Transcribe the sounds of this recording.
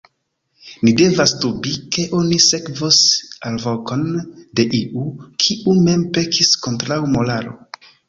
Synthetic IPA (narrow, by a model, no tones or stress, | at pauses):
nide̞vastubike̞ʔo̞nise̞kvosalvoko̞nde̞ʔiʔukʰiʔume̞mpe̞kʰisko̞ntɾawmo̞laɾo̞̰